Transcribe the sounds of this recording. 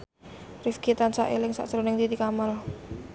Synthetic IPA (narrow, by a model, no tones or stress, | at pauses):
rifkit̪ansaʔḛlɪŋsa̰ʔsəɾonɪŋt̪id̪ikamal